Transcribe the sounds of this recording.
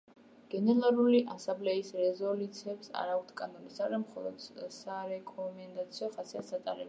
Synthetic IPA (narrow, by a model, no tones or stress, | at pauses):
ɡ̥ɛnɛɾaɾuliʔasamblɛisɾɛzɔlut̪sʰɛbsa̰ɾaukt̪ʰkʼanɔlisaɾamχɔ̰lˠɔ̰d̪saɾɛkʼɔmɛnd̪at̪sʰiɔχasiasat̪ʼaɾɛ̰b